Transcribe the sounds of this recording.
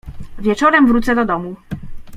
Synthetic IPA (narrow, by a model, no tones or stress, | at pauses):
vʲjɛt͡ʂɔɾɛmvɾut̪sɛd̪ɔd̪ɔmu